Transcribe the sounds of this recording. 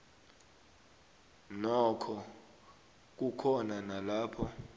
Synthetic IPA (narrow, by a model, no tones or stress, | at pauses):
nɔkʰɔ | k̬ukʰɔnanalaːpʰɔ